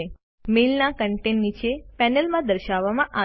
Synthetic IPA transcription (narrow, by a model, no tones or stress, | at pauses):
e | melnakəɳʈenːit͡ʃʰepɛnəlmãd̪əɾʃaʋːamãʔa